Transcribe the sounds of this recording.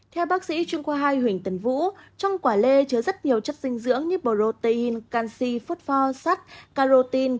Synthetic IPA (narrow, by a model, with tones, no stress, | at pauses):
t̪ʰɛ˧wɓaː˦˥k̚sḭ˧˥t͡ɕwi˧əŋkwaː˧ɦaː˧jhwï˨˧˩ŋ̟t̪i˨˧˩ŋvṵ˧˥t͡ɕɔ˧wŋ͡mkwaː˧˩le˧t͡ɕɨː˧˩zə˦˥t̚ɲi˨˩əwt͡ɕə˦˥t̚zï˧ŋ̟zɨ̰˧˥əŋɲɨ˧ɓo˨˩zo˧˩t̪i˧nkaː˧nsi˧fo˦˥t̚fɔ˧saː˦˥t̚kaː˧zo˧t̪i˧n